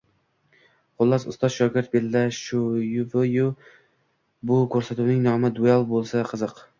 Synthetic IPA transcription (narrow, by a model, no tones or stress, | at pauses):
qʰʊlˠːɑsʊ̰st̪ɒz̥ʃɒɡʲɪɾt̪̚belːaʃujʊvɪjʊ | bʊkʰɵɾsat̪uwnɪŋnɒmɪd̪ualˠbolˠsaqʰɨzɨq